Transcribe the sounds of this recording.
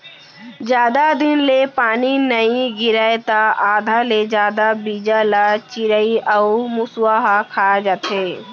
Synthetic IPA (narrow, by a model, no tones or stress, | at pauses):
d͡ʒjaːd̪ad̪ɪnlepaːninəĩɡɪɾaet̪aaːd̪ʱaled͡ʒjaːd̪abiːd͡ʒalat͡ʃɪɾəiɐumʊswaɦakʰaːd͡ʒaːt̪ɦeː